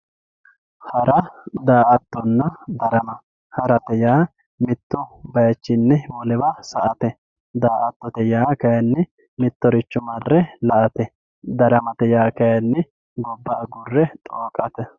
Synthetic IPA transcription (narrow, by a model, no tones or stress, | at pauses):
hɐɾɐd̪aːʔɐt̪ːɔnːɐd̪ɐɾɐmɐ | hɐɾɐt̪ɛjaː | mɪt̪ːʊbɐjɐt͡ʃːɪnːɛwɔlɛbɐsɐʔɐt̪ɛ | d̪aːʔɐt̪ːɔt̪ɛjaːkɐjɐnːɛ | mɪt̪ːɔɾɪt͡ʃːʊmɐrːɛlɐʔɐt̪ɛ | d̪ɐɾɐmɐt̪ɛjaːkɐjɐnːɛ | ɡɔbːɐːɡʊrːɛt̪ʼoːkʼɐt̪ɛ